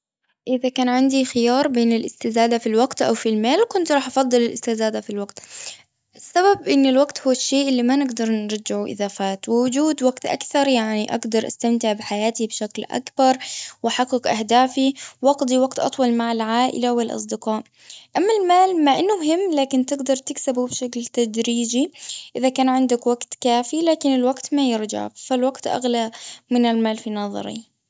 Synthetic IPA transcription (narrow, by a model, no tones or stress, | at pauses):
ʔɪðakaːnʕɪnd̪ixɪjɑːɾˤbeːnɪlʔɪst̪ɪzaːd̪afilwaɡt̪ʔawfilmaːlkʊnt̪ɾˤɑːħʔɑfɑðˤːɨlɪlʔɪst̪ɪzaːd̪afilwaɡt̪ | ʔɪsːababʔɪnːɪlwaɡt̪hʊwːaʃːeːʔɪlːimanɪɡd̪ɑɾˤnɾˤɑd͡ʒːɪʕuʔɪ̰ðaːfaːt̪wɪwʊd͡ʒuːd̪waɡt̪ʔa̰kθɑɾˤjaʕniʔaɡd̪ɑɾˤʔa̰st̪amt̪ɪʕbɪħajaːt̪ibʃaklʔa̰kbɑɾˤwʔaħɑqːɪkʔahd̪aːfiwʔɑɡd̪ˤiwaɡt̪ʔɑ̰t̪ˤwɑlmaʕalʕaːʔɪ̰lawɪlʔɑ̰sˤd̪ɪqɑːʔ | ʔamːalmaːlmaʔɪnːʊmʊɦɪmːlaːkɪnt̪ɪɡd̪ɑɾˤt̪ɪksabubʃaklt̪ad̪ɾiːd͡ʒiʔɪðakaːnʕɪnd̪akwaɡt̪kaːfilaːkɪnɪlwaɡt̪majɪɾd͡ʒa̰ʕfalwaɡt̪ʔa̰ɣlamɪnɪlmaːlfinɑðˤɑ̰ɾḭ